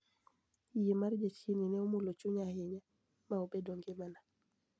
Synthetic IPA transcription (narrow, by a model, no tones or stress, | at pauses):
jimaɾd͡ʒat͡ʃininɛɔmulot͡ʃuɲahɪɲa | maobɛdɔŋɡɪmana